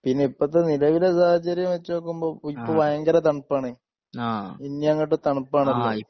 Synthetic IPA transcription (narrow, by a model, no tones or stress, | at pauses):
pinːeipːoɐt̪̬ːenilɐʋilesaːhɐt͡ɕːɐɾjɐmʋet͡ɕːoːk̬ːumboːipːoːbʱɐjɐŋɡɐɾɐt̪ɐɳpːaːɳɨ | ainːjɐŋːɐʈːɨt̪ɐɳpːaːɳɐlːɐ